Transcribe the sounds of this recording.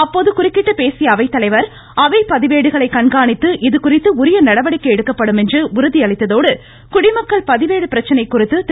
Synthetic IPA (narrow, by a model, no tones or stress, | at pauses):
ɐpːoːðɯkʊrɪkːɪʈːɯpeːsɪjɐːʋɐɪt̪ːɐlɐɪʋɐɾ | ɐʋɐɪpɐðɪʋeːɽɯɣɐɭɐɪkɐɳɡaːɳɪt̪ːɯʔɪðɯkʊrɪt̪ːɯʊɾɪjɐnɐɽɐʋɐɽɪkːɐɛɽɯkːɐpːɐɽɯmɛndrɯʊɾɯðiɐɭɐɪt̪ːɐðoːɽɯ | kʊɽɪmɐkːɐɭpɐðɪʋeːɽɯpɪɾɐt͡ʃːɐnɐɪkːʊrɪt̪ːɯt̪